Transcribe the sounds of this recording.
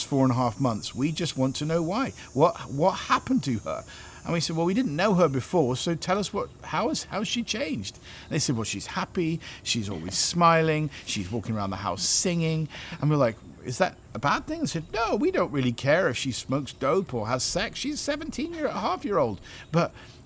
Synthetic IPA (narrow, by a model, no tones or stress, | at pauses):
sfɔɹə̃nəɦæfmʌ̃nθswid͡ʒʌst̚wɑ̃ntʰɨnoʊwaɪ | wʌt̚wʌt̚hæpɨ̃n̩tʰɨə̰˞ | ə̰̃nwisɛd̚wɛlˠwiɾɪdⁿn̩noʊə˞bɨfɔɹsoʊtʰɛlˠʌswʌt̚haʊɨz̥haʊ̥ʃit͡ʃʰẽɪ̃nd͡ʒd̥ | n̩ðeɪsɛd̚wɛlˠʃiz̥hæpiʃizɔ̰lˠwḭz̥smaɪlˠɪ̃ŋʃizwɔkɪ̃ŋəɹãʊ̃nðə̰ha̰ʊsɪ̃ŋɪ̃ŋʔə̃nwiɹlaɪk | ɨ̰zðɨ̰ɾ | əbæd̪̚θɪ̃ŋ̃nsɛd̚ⁿnoʊwidõʊ̃nʔ̚ɹɪlˠikʰɛɹɨfʃismoʊksd̥oʊpʰə˞əz̥sɛksʃiz̥sɛvn̩tʰĩnjhæfjɪɹoʊlˠd̚b̥ʌt̚